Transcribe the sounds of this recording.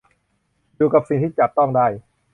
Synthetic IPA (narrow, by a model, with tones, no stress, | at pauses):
juː˨˩˧ka˨˩p̚si˨˩t̪iː˥˩t͡ɕa˨˩p̚t̪ɔ˥˩ŋdaː˥˩j